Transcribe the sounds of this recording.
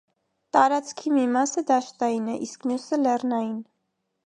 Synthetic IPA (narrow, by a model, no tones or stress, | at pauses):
t̪ɑɾɑt͡skʰimimɑsəd̪ɑʃt̪ɑjinɛʔiskmjusəlɛrnɑjin